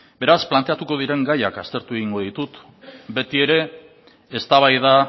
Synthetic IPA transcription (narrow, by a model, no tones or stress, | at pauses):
be̞ɾasplant̪e̞at̪uko̞ð̞iɾe̞ŋɡajakast̪e̞ɾt̪ue̞ɣiŋɡo̞ðit̪ut̪ | be̞t̪ie̞ɾe̞ː | st̪aβ̞ajða